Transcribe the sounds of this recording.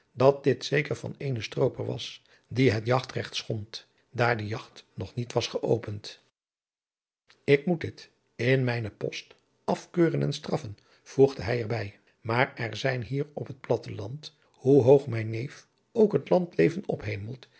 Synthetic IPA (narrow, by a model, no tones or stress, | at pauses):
dɑt̚dɪtsejkəɹv̥ɑ̰nejnəstrowpəɹʋɑ̰s | diɦətjɑχtrɛχtsχɔnt | daːɹdəjɑχtnɔχnitʋɑsχəʔowpənt | ɪkmutdɪt | ɪnmɛjnəpɔ̰st | ɑfkøːrənɛnstrɑfən | v̥uχdəɦɛjɛɹbɛj | maːɹɛɹzɛjnɦiːɹɔpɦət̚plɑtəlɑnt | huɦowχmɛjnejf | owkɦətlɑntlejvənɔpɦejməlˠt